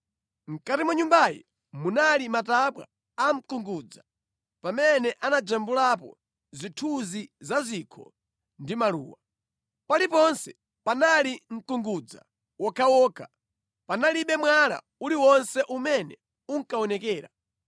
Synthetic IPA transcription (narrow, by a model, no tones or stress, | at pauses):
ŋ̩katimuɲumbajḭ | munalimataɓwa̰ː | m̩kuŋɡuːd͡za | pamɛnɛʔanad͡ʒambulapɔ̰ | zitʰuzizazikʰɔ̰ | ndimalṵːwa | palipɔnsɛ | panaliŋ̩kuŋɡud͡za̰ | wɔkʰawɔːkʰa | panaliɓɛmwaɾa̰ | uliwɔnsɛʔumɛnɛ | uŋ̩kaɔnɛkɛːɾa̰